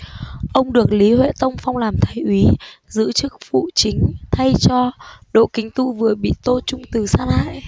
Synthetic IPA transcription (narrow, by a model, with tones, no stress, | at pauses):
ʔə˧wŋ͡mɗɨ˨˩ək̚li˨˦hwḛ˧˨t̪ə˧wŋ͡mfa˧wŋ͡mlaː˨˩mt̪ʰaː˨˦jʔwi˨˦zɨ̰˧˥t͡ɕɨ˦˥k̚fṵ˧˨t͡ɕï˨˦ŋ̟t̪ʰa˧jt͡ɕɔ˧ɗo̰˧˨kï˨˦ŋ̟t̪ṵ˧˨vɨ˨˩əɓḭ˧˨t̪o˧t͡ɕʊ˧ŋ͡mt̪ɨ˨˩saː˧˥nha̰ː˧˨jʔ